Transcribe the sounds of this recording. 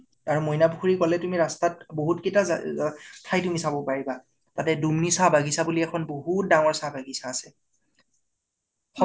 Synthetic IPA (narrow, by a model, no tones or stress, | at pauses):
aɹumojnabuxuɹikɔlɛtumiɹastat̚boɦutketaz̰tʰajtumisabɔpaɹiba | tatɛdumnisabaɡisabuliɛkʰɔnboɦut̚daŋɔɹsabʱaɡisaːsɛ | xɔ